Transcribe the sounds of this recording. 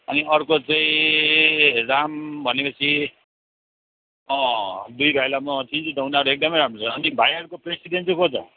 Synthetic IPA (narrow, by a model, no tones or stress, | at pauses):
ʌniʌrkot͡sãĩ | rambʱʌnepʌt͡sʰi | ʌ̃d̪ujbʱajlamʌt̪ʰind͡zid̪ʱʌwnaʌɾuek̚d̪ʌmʌjɾamrot͡sʰʌːnibʱajʌɾukopresiɖent͡sekʰot͡sʌ̰